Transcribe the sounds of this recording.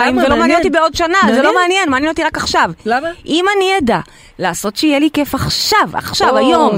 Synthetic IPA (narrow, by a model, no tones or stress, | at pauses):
imvelomeanjenot̪ibeo̞dʃanazelo̞meanjenmaːnjenot̪iʁakaχʃavʔimanijada | laːso̞t̪ʃeijelike̞faχʃava̰χʃavajo̞m